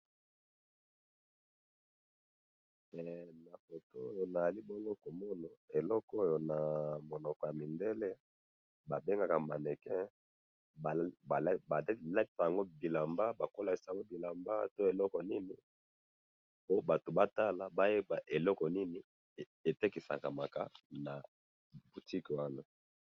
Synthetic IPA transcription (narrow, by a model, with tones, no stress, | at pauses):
mɛ˨na˨fo˨to˦o˦jo˨na˨za˨li˦bɔ˦ŋɡo˦ko˨mɔ˦na˨e˨lɔ˦ko˦jo˨na˨mo˨nɔ˨kɔ˨ja˨mi˨nde˦le˦ | ba˨be˦ŋɡa˨ka˨ma˨ne˨kɛ˦˨ | ba˨˦ba˨˦la˦ki̥˨sa˨ja˨ŋɡo˦bi˨la˨mba˦ba˨ko˦la˨ki˨sa˨ŋɡo˦bi˨la˨mba˦to˦e˨lɔ˦kɔ˨ni˦ni˦ | po˦ba˨to˨ba˦ta˦la˨ba˦je˦ba˨ʔe˨lɔ˦kɔ˨ni˦ni˨ | e˨tɛ˦ki˨sa̰˨ka̰˨ma˨ka̰˦na˨ | bu˨ti˦ki˨wa˦na˨